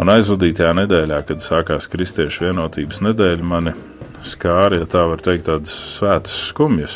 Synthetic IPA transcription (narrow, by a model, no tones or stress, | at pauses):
ṵnajzvud̪iːt̪ajaːnɛd̪ɛːlʲaːkad̪saːkaːskɾist̪iɛʃvʲiɛnuɔt̪iːbsnɛd̪ɛːlʲmanʲi | skaːɾiat̪aːvaɾt̪ɛjk̚t̪ːaːd̪sːvæːt̪ə̥sːkumjus